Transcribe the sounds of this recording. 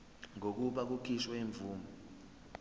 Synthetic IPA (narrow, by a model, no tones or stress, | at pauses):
ŋok̬uɓak̬ukʰiʃweːɱb̪vuːmɔ